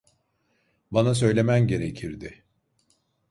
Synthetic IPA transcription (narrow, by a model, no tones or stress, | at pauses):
banasø̞jlʲe̞mænɟe̞ɾecʰiɾd̪ɪ